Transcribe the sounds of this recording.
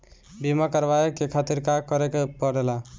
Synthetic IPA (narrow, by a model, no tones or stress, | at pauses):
bimakəɾbajekekʰat̪iɾkakəɾekepɔɾela